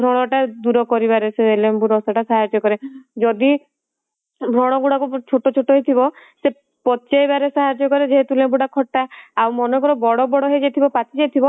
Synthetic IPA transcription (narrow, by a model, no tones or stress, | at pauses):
bʱɾɔɽ̃ɔʈad̪uɾɔkɔɾibaɾeseelembuɾɔsaʈasaɦaɾd͡ʒɔkɔɾed͡ʒɔd̪i | bʱɾɔɽ̃ɔɡuɽakut͡ʃʰoʈɔot͡ʃʰoʈɔɦejt̪ʰibɔ | se | pɔtt͡ʃajbaɾesaɦaɾd͡ʒɔkɔɾed͡ʒeɦet̪ulembuɽakʰɔʈːaawmɔnɔkɔɾɔbɔɽɔbɔɽɔɦed͡ʒajt̪ʰibɔpat̪id͡ʒajt̪ʰibɔ